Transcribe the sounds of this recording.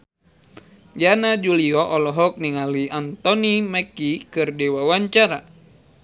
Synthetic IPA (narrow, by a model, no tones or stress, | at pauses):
d͡ʒanad͡ʒuliɔʔɔlɔɦɔk̚niŋaliant̪ɔnimɛkikɨrdewawaɲt͡ʃaɾa